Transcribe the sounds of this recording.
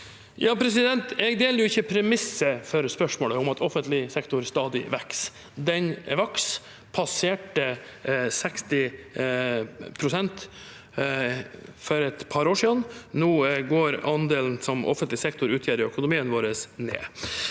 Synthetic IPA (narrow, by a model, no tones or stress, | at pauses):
jɑːpʰɾɛsɪd̪ɛnt̪ɛɡd̪eːləɾjʊɪçːəpʰɾɛmɪsːəfɔɾspœʂmoːləʊmɑt̪ʰɔfənt̪lɪsɛkt̪ʊɾst̪ɑːd̪ɪ̰ʋɛks | d̪ɛnʋɑks | pʰɑseːʈəsɛkst̪ɪ | pʰɾʊsɛnt̪ | fɔɾɛt̪pʰɑɾoːʂiːd̪ənnuːɡoːɾɑnd̪eːln̩sɔmʔɔ̰fənt̪lɪsɛkt̪ʊɾʉːt̪ʰjæːɾɪœkʊnʊmiːənʋoːɾəsnḛː